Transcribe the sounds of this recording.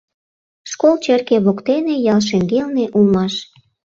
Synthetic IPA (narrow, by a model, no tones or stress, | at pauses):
ʃkolt͡ɕerkeβokt̪enejɑlʃĕŋɡelneʔulmɑʃ